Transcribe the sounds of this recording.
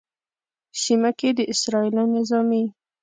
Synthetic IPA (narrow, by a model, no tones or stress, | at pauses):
simaked̪əʔɪsɾɑilɑnɪzɑmi